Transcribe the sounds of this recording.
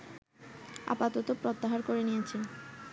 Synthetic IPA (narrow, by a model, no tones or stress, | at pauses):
a̰pat̪ot̪opɾot̪ːaɦaɾkoɾenijet͡ɕʰe